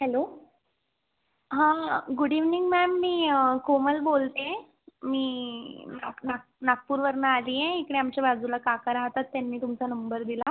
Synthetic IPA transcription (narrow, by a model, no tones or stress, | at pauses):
hɛlo | ɦãɡuɽiʋniŋɡmɛmːiːkoməlbolt̪ẽ | miːnanak | nak̚puːɾʋəɾnaːliːjeekəɽeamt͡ɕjabad͡zulakakaɾaɦt̪at̪ːjanːiːt̪umt͡sanəmbəɾd̪ila